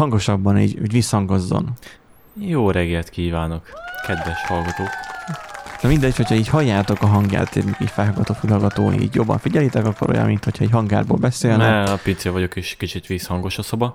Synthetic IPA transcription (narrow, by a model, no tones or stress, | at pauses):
hɒŋɡo̞ʃɒbːɒnḭːɟuːɟvishɒŋɡɒzːo̞̰n | joːɾɛɡɛlt̪kiːvaːno̞kkɛd̪vɛʃhɒlɡɒt̪oːk | d̥̪ɛmind̪ɛcho̞cʰhɒiːchɒjːaːt̪o̞kɒɦɒŋɡja̰ːt̪eːmikiːcfɛlɦɒɡɒt̪ot̪filɦɒɡɒt̪o̰ːḭːɟjo̞bːɒ̰ɱfiɟɛliːt̪ɛkɒkːo̞ɾo̞̰jɒ̰mint̪ho̞cʰhɒɛchɒŋɡa̰ːrboːlbɛseːlnɛpint̪sevɒɟokeːʃkit͡ʃit̪ʋiːshɒŋɡo̞ʃɒsobɒ